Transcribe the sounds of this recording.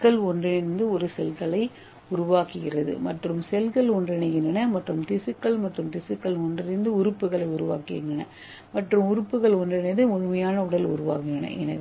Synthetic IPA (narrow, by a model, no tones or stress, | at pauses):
kːɐɭɔndrɪɪɾnd̪ɯɔɾɯsɛlɣɐɭɐɪ | ʊɾʊʋaːkɯɣɪrɐðɯ̰mɐʈrɯmsɛlɣɐɭɔndrɐnɐɣɪndrɐnɐmɐʈrɯmt̪ɪsɯkːɐɭmɐʈrɯmt̪ɪsɯkːɐɭɔndrɪɾɪnd̪ɯʊɾɯpːɯɣɐɭɐɪʊɾʊʋa̰ːkɪɣɪndɐnɐ̰ | mɐʈrɯmʊɾɯpːɯɣɐɭɔndrɐnɐðɯʊɻɯmɐjaːnɐʊɽɐlʊ̰ɾʊʋa̰ːkɪnɐnɐ̰ʔɛ̰nɐɣ